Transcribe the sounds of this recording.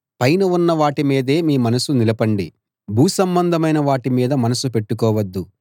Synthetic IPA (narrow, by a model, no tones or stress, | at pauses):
pɐjnɐʋunːɐʋaːʈimiːd̪e̞ːmiːmɐnɐsunilɐpɐɳɖi | bʱuːsɐmbɐnd̪ʱɐmɐjnɐʋaːʈimiːd̪ɐmɐnɐsupe̞ʈːukɔːʋɐd̪ːu